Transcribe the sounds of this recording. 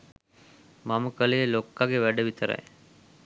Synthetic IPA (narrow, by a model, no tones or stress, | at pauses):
maməkəlejelokːaɡeʋæɖəʋit̪əɾa̰j